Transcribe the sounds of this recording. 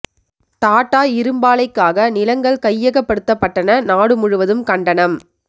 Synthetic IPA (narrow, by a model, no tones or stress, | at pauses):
t̪aːʈːaːɪɾɯmbaːlɐɪkːaːɣɐnɪlɐŋɡɐɭkɐjːɐɣɐpːɐɽɯt̪ːɐpːɐʈːɐnɐnaːɽɯmʊɻɯʋɐðɯmkɐɳɖɐɳɐm